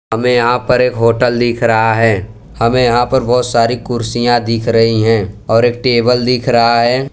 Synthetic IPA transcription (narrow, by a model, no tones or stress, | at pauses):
ɦɐmẽjɐɦãpɐɾeːkɦoːʈəld̪iːkʰɾɐɦaɦɛː | hɐmẽjɐɦãpɐɾbɔːt̪saːɾikʊɾsijãd̪iːkʰɾɐɦiɦɛ̃ːɔːɾeːk̚ʈeːbəld̪iːkʰɾɐɦaɦɛː